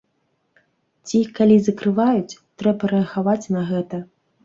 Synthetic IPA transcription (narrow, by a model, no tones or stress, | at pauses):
t͡sʲikalʲizɐkɾɨvajut͡sʲt̪ɾɛbɐɾɛɐxavat͡sʲnɐɣɛt̪ɐ